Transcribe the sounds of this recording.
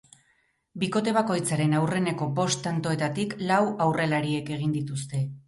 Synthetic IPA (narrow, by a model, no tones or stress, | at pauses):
biko̞t̪e̞β̞ako̞jt͡saɾe̞nawre̞ne̞ko̞bo̞st̪ant̪o̞e̞t̪at̪iklawawre̞laɾie̞ke̞ɣ̞ind̪it̪ust̪e̞